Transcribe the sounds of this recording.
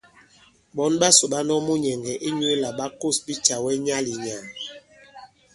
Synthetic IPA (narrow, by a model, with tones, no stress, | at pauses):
bɔ˨˦nɓa˦so˨ɓa˦nɔ˦mo˦ɲɛ˨ŋɡɛ˨ʔi˦ɲ˦e˦la˨ɓa˦ko˦˨sbi˦t͡ʃa˨wɛ˦ɲa˦li˨ɲa˨n